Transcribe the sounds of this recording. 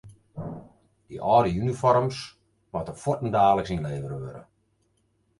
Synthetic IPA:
d̥ḭʔɔːɾəynifɔrms | ʋɔtəfɔtən̩daːxləksinleːvəɾəʋøɾə̰

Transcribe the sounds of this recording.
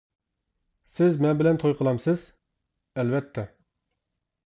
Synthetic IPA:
sɪzmɛnbɪlɛnt̪ʰojqʰəlˠɑmsɨz̥ | ɛlvɛt̪ʰːɛ

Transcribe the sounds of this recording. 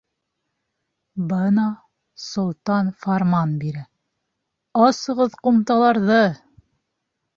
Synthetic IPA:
bɤnɑ | sŏlˠt̪ɑnfaɾmɑnbiɾæ | ɑsɤ̆ʁɤðqumt̪ɑlˠɑɾðɤ

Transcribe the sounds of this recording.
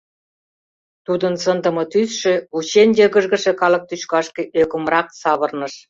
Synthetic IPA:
t̪ud̪ɤ̆nsənd̪ə̆mɤ̆t̪ysʃĕut͡ɕenʲd̪ʲĕɣə̆ʒɣə̆ʃĕkɑlɤ̆k̚t̪yt͡ɕkɑʃkĕʔøkə̆mrɑk̚sɑβɤ̆rnɤ̆ʃ

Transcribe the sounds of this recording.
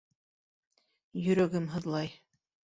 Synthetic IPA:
jɵ̆ɾæɡɘmɦɤ̆ðlˠɑj

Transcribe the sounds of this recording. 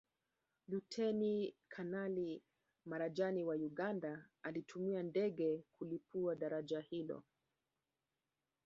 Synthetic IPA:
lutʰɛnikʰanali | maɾaʄaniwajuɠandaalitʰumiandɛɠɛkulipuaɗaɾaʄahilɔ̰

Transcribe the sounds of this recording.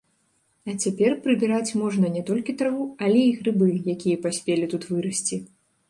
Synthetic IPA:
ɐt͡sʲapʲɛrpɾɨbʲiɾat͡sʲmɔʐnɐnʲɛt̪ɔlʲkʲit̪ɾavuɐlʲɛiɣɾɨbɨjakʲijɐpasʲpʲelʲit̪ut̪vɨɾɐsʲt͡sʲi

